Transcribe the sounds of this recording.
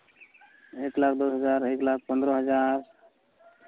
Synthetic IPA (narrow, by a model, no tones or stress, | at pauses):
eklakʰd̪oɦəd͡ʒaɾeklak̚ʰpənd̪ɾɔɦəd͡ʒaɾ